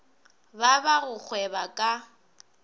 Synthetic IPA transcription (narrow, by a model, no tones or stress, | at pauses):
babaɣʊk͡xʰwɛbakʼa